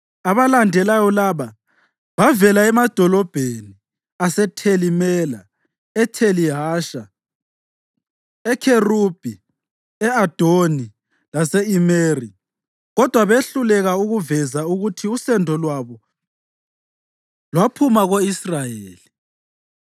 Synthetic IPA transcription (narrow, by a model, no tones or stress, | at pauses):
aβalandʱɛlajɔlaːβa | βavɛlaɛmad̥ʱɔlɔb̥ʱeni | asɛtʰelimɛla | ɛtʰeliɦaːʃa | ɛkʰerub̥ʱi | ɛad̥ʱoni | lasɛimeri | ɣɔd̥ʱwaβeɬulɛɣauɣuvɛzauɣutʰiusɛndʱɔlwaβɔ | lwapʰumaɣoisrajeːli